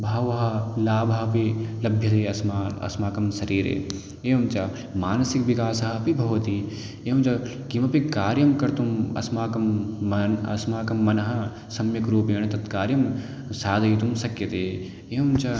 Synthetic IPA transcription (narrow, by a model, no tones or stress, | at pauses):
bʱaːʋɐɦɐlaːbɐɦɐpilɐbʱjɐt̪eːɐsmaɐ̰smaːkɐmsɐɾiːɾḛː | eːɐmt͡ʃa | maːnɐsikʋikaːsɐɦɐpibʱɐʋɐt̪i | eːɐmt͡ʃɐ | kimɐpikaːɾjɐmkɐɾt̪umɐ̰smaːkɐmːnɐsmaːkɐmːɐnɐɦɐ | sɐmjɐkɾuːpeːɳ̃t̪ɐt̪kaːɾjɐm | saːd̪ʱɐit̪umsɐkjɐt̪eː | eːmt͡ʃɐ